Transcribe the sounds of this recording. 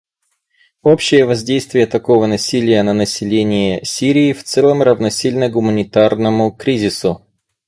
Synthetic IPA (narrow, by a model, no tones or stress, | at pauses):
opɕːɪjəvɐzʲdʲejst̪vʲɪjət̪ɐko̞vənɐsʲilʲɪjənənəsʲɪlʲenʲɪjəsʲiɾʲɪːft̪sɛlˠəmrəvnɐsʲilʲnəɡʊmənʲɪt̪arnəmʊkɾʲizʲɪsʊ